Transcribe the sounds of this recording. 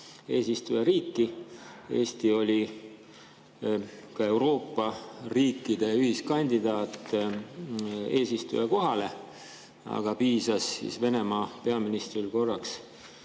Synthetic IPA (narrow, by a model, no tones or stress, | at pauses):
e̞ːsist̪ujeɾiːkːie̞ːst̪io̞lʲi | kɑe̞wɾo̞ːpːɑriːkːid̪̥e̞jɑyhiskɑnʲd̪̥id̪̥ɑːt̪ˑː | e̞ːsist̪ṵjeko̞ɦɑle̞ | ɑ̰ɡ̥ɑpiːsɑsːḭsve̞ne̞mɑːpe̞ɑminist̪rilko̞rːɑks